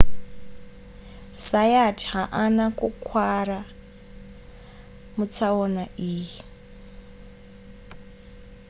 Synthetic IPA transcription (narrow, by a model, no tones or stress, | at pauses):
sajatʰhaʔanakukʰwaɾa | mut͡sʰaɔnaʔiːji